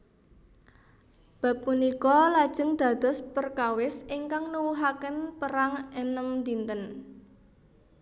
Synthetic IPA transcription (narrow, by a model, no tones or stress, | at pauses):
b̥a̤pːunikɔlad̥ʒ̥ə̤ŋd̪̥a̤d̪̥ɔ̤spərkawɪsɪŋkaŋnəwuɦakənpəɾaŋɛnəmd̪int̪ən